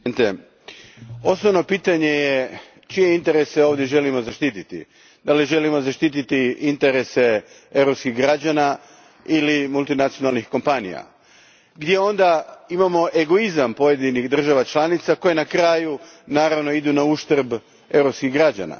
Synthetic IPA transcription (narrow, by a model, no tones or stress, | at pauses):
t̪e | o̞snoʋno̞piːt̪aɲe̞je | t͡ʃije̞int̪e̞ɾeseo̞ːʋd̪je̞ʒe̞limo̞zaʃt̪it̪it̪ḭ | d̪aliʒe̞limo̞zaʃt̪it̪̬it̪iint̪eɾese | e̞wɾopskiɣɡɾad͡ʑana | ilimulˠt̪inat̪sijo̞nalˠnixko̞mpanḭja̰ | ɡd̪je̞o̞nd̪aimamo̞ʔe̞ɡo̞izampo̞je̞d̪inixd̪r̩ʒaʋat͡ʃlˠanit̪sako̞jenakɾaːju | naːɾaʋno̞id̪unauʃt̪r̩b | e̞wɾo̞pskiɣɡɾad͡ʒa̰na̰